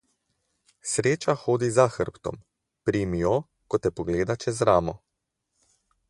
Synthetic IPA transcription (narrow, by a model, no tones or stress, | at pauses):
sɾeːt͡ʃaxoːd̪izaxəɾpt̪ɔ̰m | pɾimijɔ | kɔt̪ɛpɔɡleːd̪at͡ʃɛzɾaːmɔ